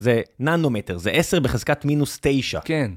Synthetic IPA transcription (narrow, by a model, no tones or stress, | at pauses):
zenanomet̪eʁzeʔese̞ʁbeχezkatminustejʃa̰ken